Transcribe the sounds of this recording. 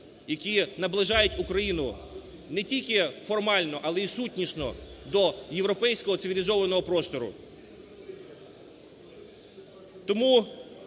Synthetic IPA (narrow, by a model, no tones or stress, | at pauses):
jɐkʲinɐblˠɪʒɑjʊtʲukɾɐjinʊ | nɛtʲilʲkɪfɔrmɑlʲnɔʔɐlˠɛisutʲnʲiʃnɔ̰d̪ɔjeʋɾɔpɛjsʲkɔɦɔt̪sɪʋʲilʲɪzɔʋɐnɔɦɔpɾɔst̪ɔɾʊ̰ | t̪ɔmu